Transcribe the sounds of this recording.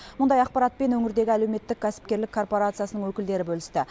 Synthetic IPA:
mʊnd̪ɑjɑqpɑɾɑt̪̚pe̞nwɵŋɪɾd̪e̞ɡʲɪæle̞wme̞t̪ːɪkʲʰːæsɪ̥p̚kʲe̞ɾlɪkʰːo̞rpo̞ɾat̪sɨjasənəŋwɵkʲɪld̪e̞ɾɪbɵlɪst̪ɪ

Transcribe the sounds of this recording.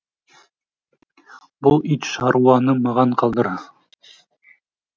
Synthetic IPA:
bulˠit̪ʃɑɾuɑnɤmɑʁɑɴqɑlˠd̪ɤ̆ɾɑ

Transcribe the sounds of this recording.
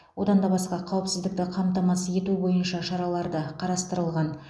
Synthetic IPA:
wo̞d̪ɑnd̪ɑbɑsqɑqʰɑwɪpsɪzd̪ɪk̚t̪ɪqʰɑmt̪ɑmɑsəje̞t̪ubo̞jənʃɑʃɑɾɑlˠɑɾd̪əqʰɑɾɑst̪əɾəlˠʁɑn

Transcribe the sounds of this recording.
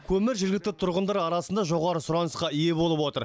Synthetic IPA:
kʲʰɵmɪɾʒɪɾɡʲɪk̚t̪ɪt̪ʰʊɾʁənd̪ɑɾɑɾɑsənd̪ɑʒo̞ʁɑɾəsʊɾɑnəsqɑije̞bo̞lˠəpwo̞t̪əɾ

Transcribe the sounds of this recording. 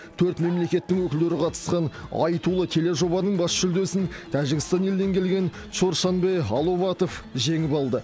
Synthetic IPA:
t̪ʰɵɾt̪me̞mle̞kʲe̞t̪ːɪŋwɵkʲɪld̪eɾɪqʰɑt̪ə̥sqɑnɑ̰jt̪ulˠət̪ʰe̞le̞ʒo̞bɑnəɴbɑsʒʏld̪e̞sɪnt̪ʰæʒɪɡʲɪst̪ɑnje̞ld̪e̞ŋkʲʰe̞lɡʲe̞n | ʃo̞ɾʃɑnbe̞jɑlˠo̞vɑt̪o̞fʒe̞ŋɪpɑlˠd̪ə

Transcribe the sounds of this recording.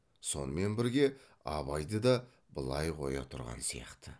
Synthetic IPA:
so̞nəme̞nbɪɾɡʲe̞ | ɑβɑjd̪əd̪ɑ | bəlˠɑjqʰo̞jɑ̰t̪ʰʊɾʁɑ̰nsijɑ̰qt̪ə

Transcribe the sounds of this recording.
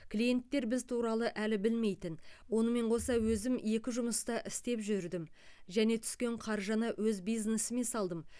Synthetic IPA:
kʲlije̞nt̪ːe̞ɾbɪzt̪ʰuɾɑlˠəʔælɪbɪlme̞jt̪ɪnwo̞nəme̞ɴqʰo̞sɑwɵzɪmje̞kʲɪʒʊməst̪ɑʔɪst̪e̞pʒʏɾd̪ɪmʒæne̞t̪ʰʏ̥skʲe̞ɴqʰɑɾʒɑnɑwɵzbijznesɪme̞sɑlˠd̪əm

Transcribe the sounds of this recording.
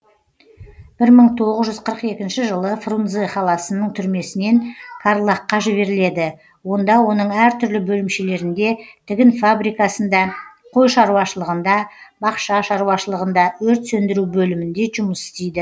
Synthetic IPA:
b̥ɪɾməɴt̪ʰo̞ʁəzʒʏzqʰəɾəqe̞kʲɪnʃɪʒəlˠəfrunzeχɑlˠɑsənəɴt̪ʰʏɾme̞sɪne̞nkʰarlˠɑqːɑʒɪβe̞ɾɪle̞d̪ɪ | wo̞nd̪ɑwo̞nəɴæɾt̪ʰʏɾlɪbɵlɪmʃe̞le̞ɾɪnd̪e̞t̪ʰɪɡʲɪnfabɾijkɑsənd̪ɑ | qʰo̞jʃɑɾuwɑʃəlˠəʁənd̪ɑbɑqʃɑʃɑɾuwɑʃəlˠəʁənd̪ɑwɵɾt̪sɵnd̪ɪɾubɵlɪmɪnd̪e̞ʒʊməsɪ̥st̪ejd̪ɪ

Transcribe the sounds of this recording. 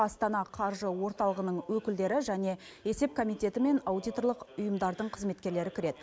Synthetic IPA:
ɑst̪ɑnɑqʰɑɾʒəwo̞ɾt̪ɑlˠəʁənəɴwɵkʲɪld̪e̞ɾɪʒæne̞ | e̞se̞p̚kʰo̞mijt̪e̞t̪ɪme̞nawd̪ijt̪o̞ɾlˠəqʊjəmd̪ɑɾd̪əɴqʰəzme̞t̪kʲe̞ɾle̞ɾɪkʲʰɪɾe̞d̪ɪ

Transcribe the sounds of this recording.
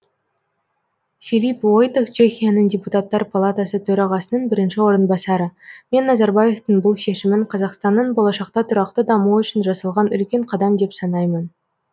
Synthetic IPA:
filipwojt̪okt͡ʃʰe̞xʲijanəɴdʲeput̪at̪ːɑɾpʰolˠat̪asət̪ʰɵɾɑʁɑsənəɴbɪɾɪnʃɪwo̞ɾənbɑsɑɾəme̞nːɑzɑɾbɑje̞ft̪əɴbʊlˠʃe̞ʃɪmɪɴqʰɑzɑqst̪ɑnːəɴbo̞lˠɑʃɑqt̪ɑt̪ʰʊɾɑq̚t̪əd̪ɑmuʏʃɪnʒɑsɑlˠʁɑnʏ̰lkʲe̞ɴqʰɑd̪ɑmd̪e̞psɑnɑjmən

